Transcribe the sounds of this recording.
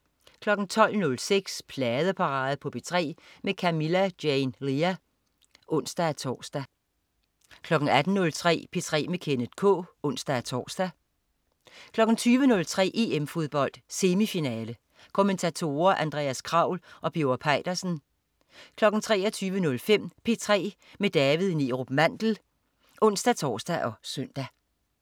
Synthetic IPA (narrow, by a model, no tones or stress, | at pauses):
kʰlɒ̽ɡ̥n̩t͡sʰɒ̽l̰nɔ̽lseɡ̥spʰlɛːð̞ˠəpʰɑ̈ʁɑ̈ːð̩ˠpʰɒ̽b̥e̝t͡sʰʁɛ̰ːmekʰæmilæd̥jɛɪnʁiæ | ʔɔ̽n̰sd̥ææt͡sʰɒ̰ːsd̥æ | kʰlɒ̽ɡ̥n̩æd̥n̩nɔ̽lt͡sʰʁɛ̰ːb̥e̝t͡sʰʁɛ̰ːmekʰenəd̥kʰɔ̰̽ːɔ̽n̰sd̥ææt͡sʰɒ̰ːsd̥æ | kʰlɒ̽ɡ̥n̩t͡sʰyːʋənɔ̽lt͡sʰʁɛ̰ːʔe̝emfoðˠb̥ɒ̽l̰d̥se̝mifinɛːlə | kʰo̝ment͡sʰæt͡sʰo̝ːɐʔænd̥ʁɛ̰ːæskʰʁɑ̈ʊ̰lʔɒ̽b̥joɐpʰɑ̈ɪ̰d̥ɐsn̩ | kʰlɒ̽ɡ̥n̩t͡sʰʁɛ̰ːɒt͡sʰyːʋənɔ̽lfem̰pʰe̝t͡sʰʁɛ̰ː | med̥ɛːʋið̩ˠniːʁob̥mæn̰d̥l̩ | ʔɔ̽n̰sd̥æt͡sʰɒ̰ːsd̥æʔɒ̽søn̰d̥æ